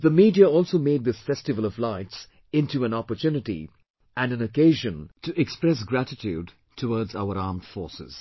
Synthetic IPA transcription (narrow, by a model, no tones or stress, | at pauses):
ðəmiːdiəɔlˠsoʊmeɪd̪̚ðɪsfɛstɨvəlˠʌvlaɪts | ɪ̃ntuæ̃nɑpətʰjunɨtḭ | ʔæ̃nɨ̃nəkeɪʒə̃ntʰɨʔɛkspɹɛs̬ɡɾætɪtʰjuːd̚ | tʰəwɔːdza̰ʊəɾɑːmd̥fɔːɹsɪ̰z̥